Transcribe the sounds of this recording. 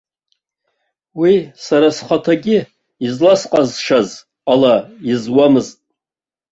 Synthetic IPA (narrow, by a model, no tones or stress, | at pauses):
wisaɾasχatʰaɡʲɪ | izlasqʼazʂaz | alaizwamɨztʼ